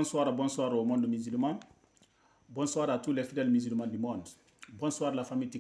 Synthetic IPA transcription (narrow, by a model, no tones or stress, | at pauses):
nswaːɾabɔ̃nswaːɾomɔ̃ndmizylmã | bɔ̃nswaːɾatulɛfidɛlmizilmãdimɔ̃nd | bɔ̃nswaːɾlafamiti